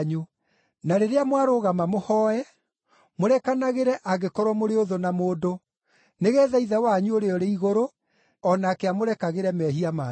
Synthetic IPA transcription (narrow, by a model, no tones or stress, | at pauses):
ɲu | naɾeɾeamwaɾoɣamamohɔɛ | moɾɛkanaɣeɾɛʔaɣekɔɾwɔmoɾeoðonamoːdo | neɣɛːðaiðawaɲuoɾeɔɾeiɣoɾo | ɔnaːkeamoɾɛkaɣeɾɛmɛɦiama